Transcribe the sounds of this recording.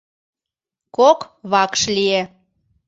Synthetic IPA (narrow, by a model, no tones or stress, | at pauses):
kokβɑkʃlie